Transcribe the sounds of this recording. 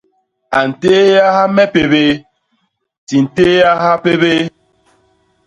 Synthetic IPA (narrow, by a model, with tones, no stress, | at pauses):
a˨n̩˨teː˦ja˦ha˦mɛ˦pe˨be˦ | ti˨n̩˨teː˦ja˦ɦa˦pe˦be˦